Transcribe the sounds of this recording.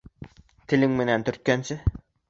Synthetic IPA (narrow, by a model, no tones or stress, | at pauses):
t̪ʰɪlɪŋmɪnænt̪ʰɵɾt̪̚kʲænt͡ʃʰɪ